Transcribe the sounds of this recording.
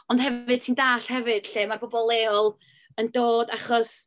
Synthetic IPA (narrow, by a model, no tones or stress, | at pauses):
ɔnd̥hɛvɨd̥tʰiːndaːɬhɛvɨd̥ɬeːmabɔbɔlˠɛːɔlˠ | əndoːdaχɔs